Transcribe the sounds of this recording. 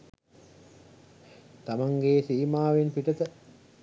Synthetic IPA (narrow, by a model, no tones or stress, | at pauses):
t̪amaŋɡeːsiːmaːʋenpiʈət̪ə